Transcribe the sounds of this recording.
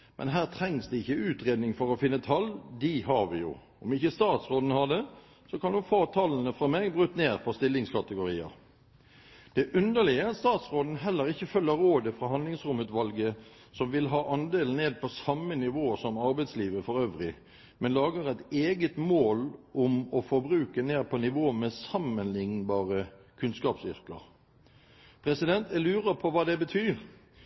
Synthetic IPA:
mʔɛ̰nɦæːʁt̪ʰʁɛŋsd̪ɛɪçːəʉːt̪ʁeːd̪nɪŋfɔʁɔfɪnːət̪ʰɑld̪ɪɦɑʁʋɪ̰jʊ̰ | ɔmɪçəst̪ɑːt̪sʁoːd̪n̩hɑd̪ɛ | sɔkʰɑnd̪ɔfɑːt̪ʰɑlnəfʁɑmeːɡbʁʉt̪ːneːʁfɔst̪ɪlːɪŋskʰɑt̪əɡʊɾiːə̰ʁ | d̪̥ɛʔʉnd̪əlɪəɑt̪st̪ɑːt̪sʁoːd̪n̩ɦɛlːəɾɪçːəfœlːəɾːoːd̪əfʁɑɦhɑnlɪŋsʁʊmʉːt̪ʋɑlɡə | sɔmʋɪlɦɑːʔɑnd̪eːln̩neːd̪̚pʰɔsɑmənɪʋoːsɔmɑʁbɛɪt̪sliːʋəfɔɾøːʋʁɪ | mɛnlɑːɡəʁæɪt̪eːɡət̪moːlʔʊmɔfɔɾbʁʉːkəneːd̚pʰɔnɪʋoːmɛsɑmənlɪŋnbɑːʁə | kʰʉnskɑːpsʏ̰ʁkə̰ʁ | pʰʁɛsɪd̪ɛnt̪ɛlʉːʁəpʰɔʋɑːd̪ɛbət̪ʰyːʁ

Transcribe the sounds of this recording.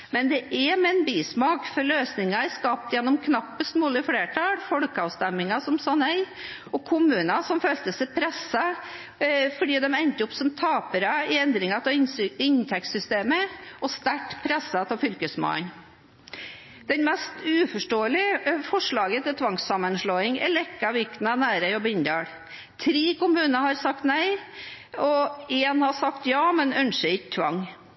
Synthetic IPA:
mɛnd̪ɛʔɛɾmɛɛnbiːsmɑːkfɔɾløːsnɪŋɑɛskɑːp̚t̪jɛnːɔmkʰnɑpːəst̪moːlɪfleːʈʰɑlfɔɽkəɑʊst̪ɛmːɪŋɑsɔmsɑnɛɪɔkʰʊmʉːnɑsɔmfølt̪əsɛɪpʰɾɛsːɑ | fɔɖiːd̪ɛmɛnt̪əɔpsɔmt̪ʰɑːpəɾəɪɛnd̪ɾɪŋɑt̪ʰɪɪnt̪ʰɛk̚t̪sʏst̪eːməʔɔst̪æʈpʰɾɛsːət̪ʰɪfʏlkəsmɑ̰ːn | d̪̥ɛnmɛst̪ʉːfɔʂʈoːəlɪfɔʂɭɑːɡət̪ʰɪt̪ʰʋɑŋsɑmːənʂɭoːɪŋɛ̰ɭɛkːɑʋɪkt̪nɑnæːɾəɔbɪnd̪ɑːɽ | t̪ʰɾiːkʊmʉːnəhɑɾsɑk̚t̪næɪ | ɔeːnhɑsɑkt̪jɑːmɛnœnʂəɪkt̪ʰʋɑ̰ŋː

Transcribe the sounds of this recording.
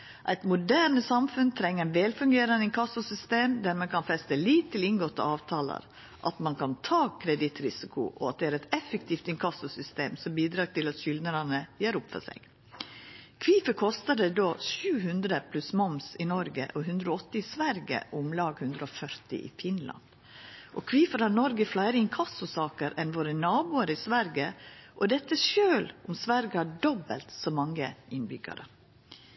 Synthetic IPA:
ʔæɪt̪mʊd̪æːɳəsɑmfʉnt̪ʰɾɛŋːəɾɛnʋɛːlfʉŋɡeːɾənəɪŋkʰɑsʊsʏst̪eːmd̪æɾmɛkʰɑnfɛst̪əliːt̪t̪ʰːɪlɪnɡɔt̪ːə̰ɑːʋt̪ʰɑːlə̰ɾ | ʔɑ̰t̪mɑnkʰɑnt̪ʰɑːkʰɾɛd̪ɪt̪ɾɪsɪkʰʊ̰ʔɔɑt̪̚d̪ɛæːɾɛt̪ɛfəkt̪ʰiːft̪ɪŋkʰɑsʊsʏst̪eːmsɔmbiːd̪ɾɑːɡ̚t̪ɪlɑt̪ʃʏld̪nəɾɑnəjæːɾʊpfɔ̰sɛ̰ɡ̥ | kʰʋiːfəkʰɔst̪əɖ̪ɛd̪oːʃʉːɦʉnd̪ɾəpʰlʉsmɔmsɪnɔɾɡə̰ʔɔɦʉnd̪ɾəoɔt̪ːəɪɪsʋæɾɡə̰ʔʊmlɑːɡhʉnd̪ɾəɔfœɾt̪ɪ̰ʔɪ̰fɪnlɑ̰nd̪ | ʔɔkʰʋiːfəɾhɑɾnɔɾɡəflæɪɾəɪŋkʰɑsʊsɑːkəɾɛnʋoːɾənɑːbuːəɾəɪsʋæɾɡəʔɔd̪ɛt̪ːəʃøːlʊmsʋæɾɡəhæɖɔbə̰lt̪sɔmɑŋːəʔɪnbʏɡɑ̰ɾə

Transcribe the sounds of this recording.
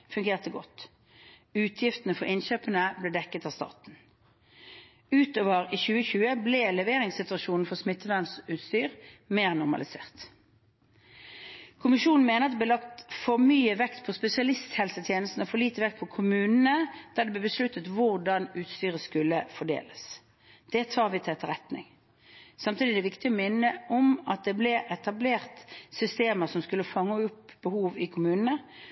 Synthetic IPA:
fʉŋɡeːʁt̪əɡɔt̪ː | ʉːt̪ʰjɪft̪ənəfɔʁɪnçøːpənəblɛd̪ɛkːət̪ɑːʋst̪ɑ̰ːt̪n̩ | ʉːt̪oːʋəʁiːçʉːəçʉːəblɛlɛʋeːʁɪŋsɪt̪ʉɑʃuːnn̩fɔsmɪt̪ːəʋænsʉːt̪st̪yːʁmeːʁnʊʁmɑ̰lɪsḛːʁt̪ | kʰʊmɪʃuːnn̩meːnəʁɑt̪d̪ɛblɛːlɑkt̪fɔʁmyːəʋɛkt̪pʰɔspɛsɪɑlɪst̪hɛlsət̪ʰjeːnəst̪n̩ɔfɔʁliːt̪əʋɛk̚t̪̚pʰɔkʰʊmʉːnənəd̪̥æːd̪ɛblɛːbəslʉt̪ːət̪ʋʊʁd̪ɑnʉːt̪st̪yːʁəskʉlːəfɔɖḛːləs | d̪̥ɛt̪ʰɑːʁʋɪt̪ʰɛt̪ːəɾʁɛt̪nɪ̰ŋ | sɑmt̪ʰiːd̪ɪd̪ɛʋɪkt̪ɪɔmɪnːəʔɔmɑt̪̚d̪ɛblɛʔɛt̪ɑbleːʁt̪sʏst̪eːməsɔmskʉlːəfɑŋːəʊpbəhuːʋɪkʰʊmʉːnənə

